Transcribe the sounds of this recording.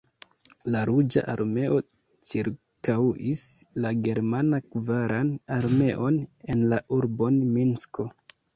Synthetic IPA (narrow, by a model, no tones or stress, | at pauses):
laɾud͡ʒa̰ʔa̰ɾme̞ʔo̞ | t͡ʃiɾ | kawislaɡe̞ɾmanakvaɾanaɾme̞ʔo̞ne̞nlaʔuɾbo̞nminsko̞